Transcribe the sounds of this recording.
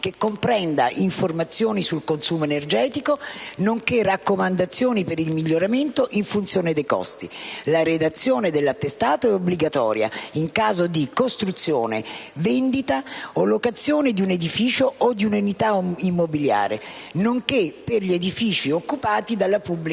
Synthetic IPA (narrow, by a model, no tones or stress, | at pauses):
kekːompɾɛnd̪aʔiɱformat̪sːjoːnisulkonsuːmoenerd͡ʒɛːt̪ikonoŋkerakːomand̪at̪sːjoːnipeɾilmiʎːoɾament̪oʔiɱfunt̪sjoːned̪ejkɔ̰st̪ilaɾed̪at̪sːjoːned̪elːat̪ːest̪aːt̪oɛobliɡat̪ɔ̰ːɾja̰iŋkaːzod̪ikost̪ɾut̪sːjo̰ːnḛvɛnd̪it̪aolokat̪sːjoːned̪iuned̪ifiːt͡ʃoʔod̪iunenit̪aimːobilja̰ːɾḛ | noŋkepːerʎied̪ifiːt͡ʃiokːupaːt̪id̪alːapubːli